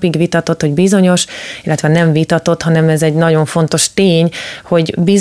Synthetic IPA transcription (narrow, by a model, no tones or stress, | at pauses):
piɡʋit̪ɒt̪o̞t̪ho̞ɟbizo̞ɲo̞ʃilːɛt̪ʋɛnɛɱvit̪ɒt̪o̞t̪hɒnɛmɛzɛɟnɒɟo̞ɱfo̞nt̪o̞ʃt̪eːɲho̞ɟbiz